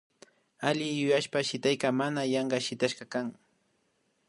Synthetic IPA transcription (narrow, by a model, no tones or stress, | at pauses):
alɪjʊjaʃpaʃɪt̪ajkamanajɑɴɢɑʃɪt̪aʃɢɑkaŋ